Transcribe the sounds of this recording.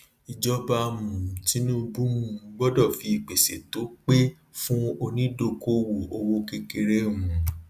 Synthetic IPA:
i˨d͡ʒɔ˧ba˧mũ˨ti˨˦nũ˦bũ˦mũ˧˦ɡ͡bɔ˦dɔ˦˨fi˨˦i˨k͡pe˨se˨to˨˦k͡pe˦ | fũ˦o˧nĩ˦do˧ko˦wo˨o˧wo˧ke˧ke˧ɾe˦mũ˨

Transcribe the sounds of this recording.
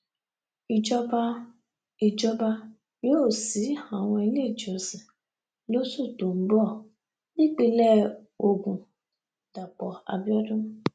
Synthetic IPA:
i˨d͡ʒɔ˦ba˦ | i˨d͡ʒɔ˦ba˦ | jo˦˨si˨˦ha˨we˧le˦˨d͡ʒo˨si˨ | lo˦su˦˨to˨m̩˨˦bɔ˦˨ | nĩ˦k͡pe˦lɛ˦ | o˨ɡũ˨ | ta˨k͡pɔ˨a̰˨bjɔ˦dʊ˦m˦

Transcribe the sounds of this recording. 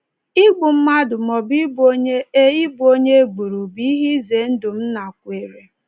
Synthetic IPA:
i˦ɡ͡bʊ˨m̩˦ma˦dʊ˨mɔ˨bi˦bo˦ɲe˦e˦i˦bo˦ɲe˦ɡ͡bu˨ɾu˨bi˦i˦ɦi˦ze˨˦n̩˦dʊ˨m̩˦na˨kʷe˨ɾe˨

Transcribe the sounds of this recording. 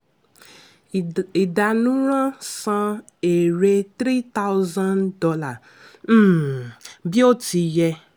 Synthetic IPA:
i˨da˨nũ˦ɾ̃ã˦sã˧ | e˨ɾe˧t̪ɾi˦t̪a˦wzã˦ndɔ˧la˦˨˦ | bi˦o˦ti˧jɛ˧

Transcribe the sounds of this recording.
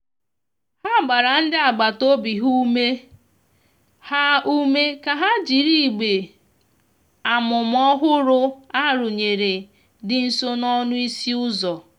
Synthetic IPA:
ha˦˨ɡ͡ba˨ɾa˨n̩˦dɪ˦a˨ɡ͡ba˨to˦bi˨ɦu˦me˦ | ha˦u˦me˦ka˨ɦa˦d͡ʒi˨ɾi˦˨ɡ͡be˨ | a˨mʊ˨m˦ɔ˦ɦʊ˦ɾʊ˦a˦ɾʊ˨ɲe˨ɾe˨ | dɪ˨n̩˨so˦nɔ˦nʊ˦i˦si˦ʊ˦zɔ˨

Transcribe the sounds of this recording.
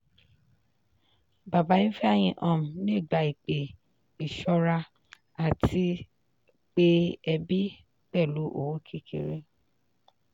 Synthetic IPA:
ba˨ba˨˦ĩ˦fɛ˦a˦˨j̃ĩ˧ʔɔ̃˦˨m̩˨nĩ˦˨ɡ͡ba˨i˨k͡pe˨ | i˨ʃɔ˧ɾa˧ | a˨tʰi˧ | k͡pe˦ɛ˧bi˦ | k͡pɛ˦˨lu˨˦ʔo̰˨wo˨˦kʰi˧kʰḛ˨ɾe˦

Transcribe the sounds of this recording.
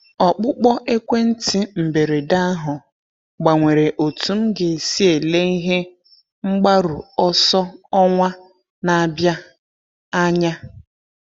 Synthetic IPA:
ɔ˨k͡pʊ˦k͡pɔ˦ʔe˦kʷe˦n̩˦tɪ˦m̩˨be˨ɾe˨da˦ɦʊ˨ | ɡ͡ba˨ŋʷe˨ɾe˨ʔo˨tu˨˦m̩˦ɡe˨si˦e˨le˦i˦ɦe˦ | ŋ͡m̩˦ɡ͡ba˦ɾṵ˨ɔ˦sɔ˦ɔ˦ŋʷa˦ | na˨a˨bja˦ | a˦ɲa˦

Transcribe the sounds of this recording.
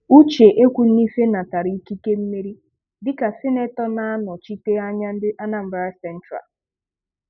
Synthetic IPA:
u˦t͡ʃe˨ʔe˦kʷu˨n̩˦i˦fe˦na˨ta˨ɾi˦i˦ki˦ke˦m̩˦me˦ɾi˦ | dɪ˦ka˨sɪ˦ne˦tɔ˦na˦a˦nɔ˨t͡ʃi˦te˦a˦ɲa˦ɪ˦ʔa˦na˦m̩˦ba˦ɾa˦sɛ˦n̩˦tɾa̰˨l

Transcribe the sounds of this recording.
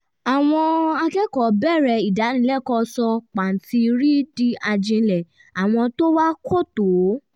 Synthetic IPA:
a˨w̃ɔ̃˧a˧kɛ˦kɔ˨bɛ˦˨ɾɛ˨i˨da˨˦nĩ˧˦lɛ˦˨kɔ˧sɔ˧k͡pa˨n̩˨ti˧ɾi˦di˦a˧d͡ʒĩ˧lɛ˨ | a˨w̃ɔ̃˧to˦wa˦kʰo˦˨to˨˦

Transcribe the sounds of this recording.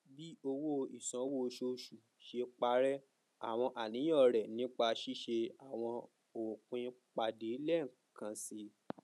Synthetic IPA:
bi˦o˧wo˦i˨sɔ̃˨˦wo˦˨˧ʃo˧ʃu˨ | ʃe˧k͡pa˧ɾɛ˦ | a̰˨w̃ɔ̃˧ʔa˨nĩ˨˦ɔ̃˦˨ɾɛ˨nĩ˨˦k͡pa˧ʃi˦ʃe˧a˨w̃ɔ̃˧ | o˨kũ˨˦ĩ˧k͡pa˧de˨˦lɛ˦˨kã˧si˧˦

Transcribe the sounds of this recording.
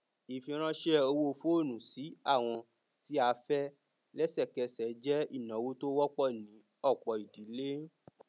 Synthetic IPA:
i˨fĩ˧ɾ̃ã˦ʃe˦o˧wo˦o˧fo˦o˦˨nũ˨si˨˦a˦˨w̃ɔ̃˧ | ti˦a˧fɛ˦ | lɛ˦sɛ˦˨kɛ˧sɛ˨˦d͡ʒɛ˦i˦˨nã˨˦wo˦to˦wɔ˦k͡pɔ˦˨nĩ˨˦ | ɔ˦˨k͡pɔ˨i˨di˨˦le˦

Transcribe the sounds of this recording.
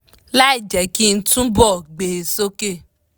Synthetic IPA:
la˦i˨d͡ʒɛ˨ki˦n̩˦tũ˦bɔ˦˨ɡ͡be˨so˦ke˦˨

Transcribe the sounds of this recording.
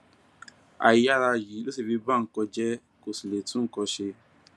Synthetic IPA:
a̰˨˦ja˦ɾa˧˨ji˨˦lo˦si˧˨bi˧ba˦˨ŋ̩˨˦kɔ˧d͡ʒɛ˦ | ko˨si˨le˨tũ˦kɔ˧ʃe˧

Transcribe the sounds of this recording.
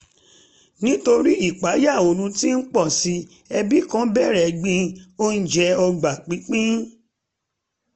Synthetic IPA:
nĩ˦to˧ɾi˦i˦˨k͡pa˨˦ja˦˨o˨nũ˧ti˦n̩˦k͡pɔ˦˨si˧ | ɛ˧bi˦kã˦bɛ˦˨ɾɛ˨˦ɡ͡bĩ˧o˦n̩˦d͡ʒɛ˧ɔ˧ɡ͡ba˨k͡pĩ˨˦k͡pĩ˦

